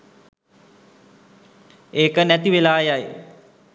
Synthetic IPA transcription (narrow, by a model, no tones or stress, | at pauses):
eːkənæt̪iʋelaːjaj